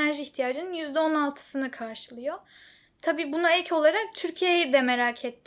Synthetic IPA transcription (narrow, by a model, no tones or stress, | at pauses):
æɾʒiiçt̪ʰijaːd͡ʒɯnɯnjyzd̪ɛonalˠt̪ʰɯ̥sɯnɯkʰaɾʃɯlˠɯjo | t̪ʰabiːbunaɛcʰo̞lˠaɾak̚t̪ʰyɾcʰijejɛd̪ɛme̞ɾaːcʰɛt̪ʰː